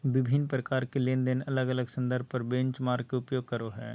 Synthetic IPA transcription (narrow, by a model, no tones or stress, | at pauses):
ʋɪbʱɪnːpɾəkaːɾkeleːnd̪ɪnɐləɡələɡsə̃nd̪əɾb̚pɐɾbẽɲt͡ʃmaːɾɡ̚keʊpjoːɡ̚kəɾoɦɛ̰ː